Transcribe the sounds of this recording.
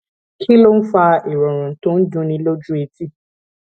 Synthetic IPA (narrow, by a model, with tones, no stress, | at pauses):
kʰi˦lo˦n̩˦fa˧ʔi˨ɾɔ˨ɾ̃ɔ̃˨n̩˨tõ˦n̩˦d͡ʒũ˦nĩ˧lo˦d͡ʒu˦e˨˧ti˦